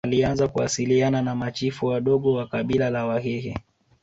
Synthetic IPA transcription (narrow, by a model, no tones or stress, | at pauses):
alianzakuwa̰siliananamat͡ʃifuwaɗɔɠɔwakaɓilalawaɦɛhɛ̰